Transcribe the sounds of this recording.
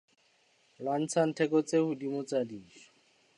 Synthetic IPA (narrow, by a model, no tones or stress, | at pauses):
lwan̩t͡sʰan̩tʰɛkɔt͡sehʊdimʊt͡sadiːʃɔ̥